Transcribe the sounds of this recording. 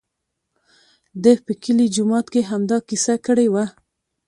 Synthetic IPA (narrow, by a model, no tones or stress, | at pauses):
d̪əpəkəlid͡ʒʊmɑt̪keɦamd̪ɑkisakəɽewa